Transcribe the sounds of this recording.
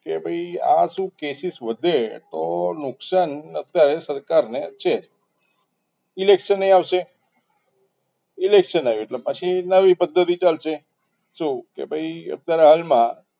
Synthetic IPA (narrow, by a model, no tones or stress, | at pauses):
kebʱəia̰ʃũkesisʋəd̪ʱet̪onʊksanət̪jaɾesəɾkaɾneət̪ːʃʰe | ilekʃənːəĩaʋʃe | ilekʃənaieʈlepət͡ʃʰinəʋipəd̪ʱːət̪it͡ʃalʃe | ʃũkḛbʱəiə̰t̪ːjaɾeɦalmã